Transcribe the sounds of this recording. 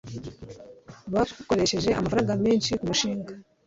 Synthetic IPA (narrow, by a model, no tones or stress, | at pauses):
βauko̞ɾe̞ʃe̞ʒe̞ʔa̰mafaɾaːŋɡameːnʃikumuʃiːŋɡa